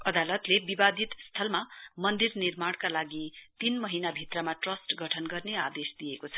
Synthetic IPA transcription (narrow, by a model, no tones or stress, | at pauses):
ʌd̪alʌt̪lebibad̪it̪st̪ʰʌlmamʌnd̪irnirmaɽkalaɡit̪inmʌɦinabʱit̪rʌmaʈrʌsʈɡʱʌʈʰʌnɡʌrnead̪esd̪ijekot͡sʰʌ̥